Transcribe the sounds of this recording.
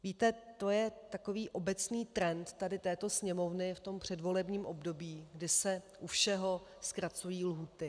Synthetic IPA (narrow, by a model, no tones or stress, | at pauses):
viːt̪ɛt̪o̞jɛt̪ako̞viːʔo̞bɛt͡sniːt̪ɾɛnt̪t̪adɪt̪ɛːt̪o̞sɲɛmo̞vnɪft̪o̞mpr̝̥ɛdvo̞lɛbɲiːmʔo̞bdo̞biːɡdɪsɛʔufʃɛɦo̞ | skɾat͡sujiːlɦuːt̪ɪ